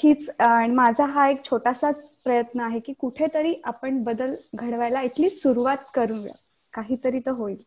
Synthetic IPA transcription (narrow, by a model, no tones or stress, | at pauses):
hiːt͡sːɽ̃imad͡zʱaɦaek̚t͡ɕʰoʈasat͡spɾəjət̪nəaɦekiːkuʈʰet̪əɾiːʔapəɳbəd̪əlɡʱəɽʋajlait̪ʰliːsuɾuʋat̪kəɾuːnʋə̰ | kaɦiːt̪əɾiːt̪əɦoiːl